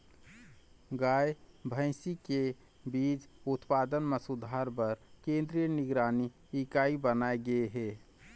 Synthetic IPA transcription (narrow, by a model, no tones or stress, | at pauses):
ɡaebʱə̃ɪsike | bit͡ʃut̪pad̪ənmesud̪ʱaɾbəɾkẽnd̪ɾijəniɡɾani | ikaibənaeɡəeɦe